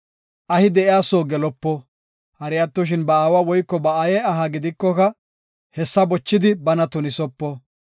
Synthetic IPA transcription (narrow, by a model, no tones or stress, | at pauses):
ʔɐhɪd̪ɛʔɪaːsoːɡɛlɔpːɔ | hɐɾɪjɐt̪ːɔʃ̬ɪnbɐaːwawɔjkːɔbɐajɛɐɦɐɡɪd̪ɪkːɔkɐ | hɛsːɐbɔt͡ʃːɪd̪ɪbɐnɐt̪ʊnɪsɔpːɔ